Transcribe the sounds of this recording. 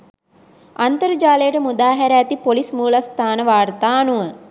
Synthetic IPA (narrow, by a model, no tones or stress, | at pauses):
ant̪əɾəd͡ʒaːləjəʈəmud̪aːɦæɾəæt̪ipolismuːlast̪aːnəʋaːrt̪aːnuʋə